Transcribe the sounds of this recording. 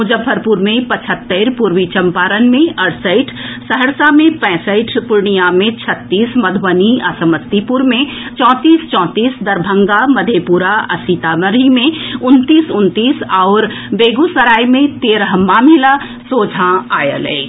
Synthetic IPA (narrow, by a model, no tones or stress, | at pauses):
ʊd͡ʒəbpʰːəɾpʊɾmẽpət͡ʃʰət̪ːəɾpuɾʋit͡ʃəmpaːɾənmẽʔɐɽsəɪʈʰsəɦəɾsamẽpɛ̃ːsəɪʈʰpʊɾɳijamẽt͡ʃʰət̪ːiːsməd̪ʱwəniasəməst̪ipʊɾmẽ | t͡ʃɔ̃ːt̪iːst͡ʃɔ̃ːt̪iːsd̪ɐɾbʱə̃ŋɡaməd̪ʱepuɾaɐ̰sit̪aməɾimẽʊnt̪iːsʊnt̪iːsaʊɾ | beːɡusəɾaːjmẽt̪eːɾəɦmaːmila | soːd͡ʒʱãaːjə̰lḛː